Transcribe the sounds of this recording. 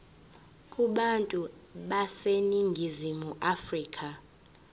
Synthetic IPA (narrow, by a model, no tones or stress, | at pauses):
kʼuɓantʼuɓaseniŋɡʱizimuʔafriːkʼa